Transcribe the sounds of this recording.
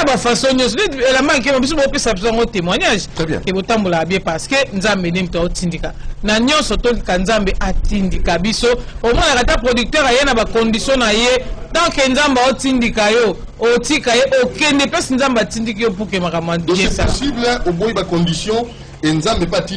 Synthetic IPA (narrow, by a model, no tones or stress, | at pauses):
bafasoɲɔ̃s̬ɔdeelambaŋk̬emabis̬obopesabis̬ojãŋɡotemwaɲaʒɛ̰̃kebotambolakabjɛ̃paʁskenzambenemtotindikanaɲɔ̃nsɔtolikanzambeʔatindikabisoomɔnakatapʁodyk̚tɛʁajenabakɔndisjɔ̃najetãkenzambeaotindikajo | otikajeʔokɛndɛpɛsinzambeatindikijop̬ukemakamabɛ̃sasibloboibakɔ̃ndisjɔ̃ | enzambepati